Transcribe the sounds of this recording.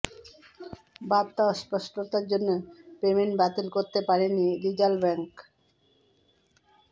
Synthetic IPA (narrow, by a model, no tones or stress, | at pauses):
bab̚t̪aɔspɔʃʈot̪aɾd͡ʑonːopemenbat̪elkoɾt̪epaɾeniɾid͡ʑalbɛŋk